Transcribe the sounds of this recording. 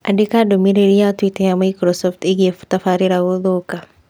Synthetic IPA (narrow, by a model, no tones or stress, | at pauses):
adikadomiɾeɾiatwitejamajkɾɔsɔft̪eɡefu̥tafaɾiɾaɣoðoka